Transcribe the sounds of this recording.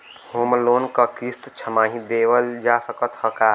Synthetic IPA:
hoːmloːnkakɾist̪t͡ʃʰəmaːɦĩd̪eːʋəld͡ʒaːsəkət̪həkaː

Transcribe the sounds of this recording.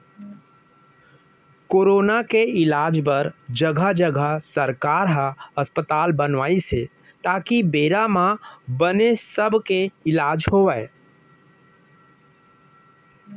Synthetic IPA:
koːɾoːnakeɪlaːd͡ʒpəɾd͡ʒəɡʱad͡ʒəɡʱasəɾkaːɾɦaəspət̪aːlbənʋaːise | t̪aːkibeːɾamãbənesəbʱkeɪlaːd͡ʒhoʋɛe

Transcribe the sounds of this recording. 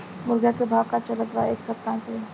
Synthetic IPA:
mʊɾɡakebʱaːʋkat͡ʃələt̪ʋaeːksəp̚t̪ãse

